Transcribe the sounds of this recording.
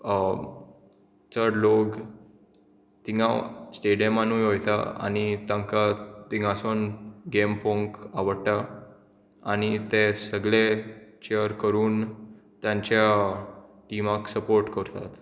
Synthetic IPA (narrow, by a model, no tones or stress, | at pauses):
t͡səɾɽlok | t̪iŋasʈeɽijəmanuːjɦojt̪a̰a̰ñit̪ãŋkat̪iŋasonɡempõŋkaʋəɽʈa | añit̪esəɡɭet͡ɕeəɾkəɾuːnt̪jãɲt͡ɕja | ʈimãksəpoɾʈkəɾt̪a̰t̪